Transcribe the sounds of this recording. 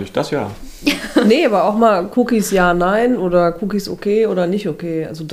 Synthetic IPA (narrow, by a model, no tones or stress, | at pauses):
nɪçd̥asja̰ː | neʔaːbɐaʊxmaːlkʰukisjaːnaɪnʔoːdɐkʰuːkisʔo̰kʰeːoːɾɐnɪçtokʰeːʔa̰lzod